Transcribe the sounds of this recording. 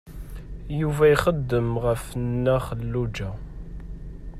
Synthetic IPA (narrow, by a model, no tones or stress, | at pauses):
juvæjχəd̪ːəmʁəfnːæχəlːud͡ʒæ